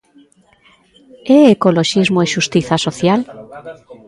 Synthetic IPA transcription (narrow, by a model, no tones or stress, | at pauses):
eekoloʃizmoeʃust̪iθasoθjal